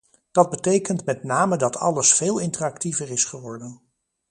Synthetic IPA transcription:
d̥ɑd̚bətejkəntmɛtnaːmədɑtʰɑ̰ləsfeːlˠɪntərɑktivəɹɪsχəʋɔɹdən

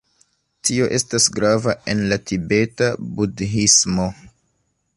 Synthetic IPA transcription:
tio̞ʔe̞stasɡɾavaʔe̞nlatibe̞tabudɦismo̞

